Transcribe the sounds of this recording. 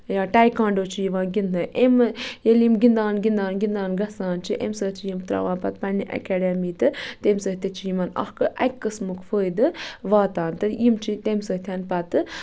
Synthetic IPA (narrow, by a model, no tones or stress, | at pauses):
jaːʈaːjkãːɳɖoːt͡ʃʰijiʋaːnɡʲind̪ɨʔemjelimɡind̪aːnɡind̪aːnɡind̪aːnɡɐsaːnt͡ʃʰiʔḛmsəːt̪ʰijimt̪ɾa̰ːʋãːnpɐt̪̚pɐniʔɐ̰kɛːɖemiːt̪ɨt̪emsəːht̪et͡ʃʰijimɐnɐ̰hkɨʔɐkʲkːɨsmukfəːd̪ɨʋaːt̪aːnt̪ɨjimt͡ʃʰit̪emsəːt̪ʰʲanpɐt̪ɨ